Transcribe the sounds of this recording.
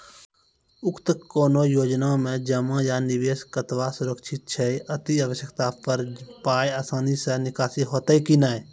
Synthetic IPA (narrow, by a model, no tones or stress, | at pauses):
ʊkt̪koːnoːjoːd͡ʒnamẽd͡ʒɐmãjanɪʋeːskət̪ʋasʊɾəkʃʰɪt̪̚t͡ʃʰəeʔɐt̪iaːʋəʃjəkt̪apəɾpaːjaːsaːnisenɪkaːsiɦoːt̪aikinaːeː